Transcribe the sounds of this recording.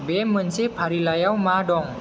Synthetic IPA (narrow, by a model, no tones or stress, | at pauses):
bemənsipʰaɾilajawmadɔŋ